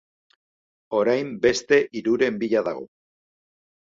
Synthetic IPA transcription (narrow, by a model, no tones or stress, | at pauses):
o̞ɾajmbe̞st̪e̞ʔiɾuɾe̞mbiʎaðaɣ̞o̞̰